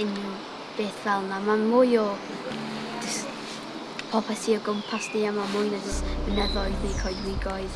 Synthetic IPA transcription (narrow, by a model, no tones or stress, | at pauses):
ɪn | b̥eːθvɛlˠnamamʊjɔ | d͡ʒɪs | pʰɔpʰɛsʰiɔɡʊmpʰasniamamʊjnad͡ʒəstmənɛðɔjðikʰɔjdwɪɡɔɨð